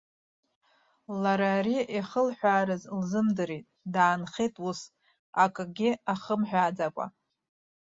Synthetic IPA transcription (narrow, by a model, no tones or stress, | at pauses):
laɾaɾiʔiχəlħʷᶣaːɾɨzlzɨmdɨɾitʼdaːnχʲejtʼus | akʼɨɡʲɪaχəmħʷᶣaːd͡zakʷʼa̰